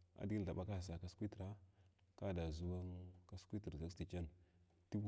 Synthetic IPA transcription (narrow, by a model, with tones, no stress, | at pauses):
a̰˨di˦ɡi˦n˨ɬa˨ɓa˦ka˦˨s̬a˨ka˨skʷi˦tɾa˦ | ka˦˨da˨zu˦wa˦ŋka˨skʷi˦ti˨ɾza˦ksti˨t͡ʃa˦n | ti˦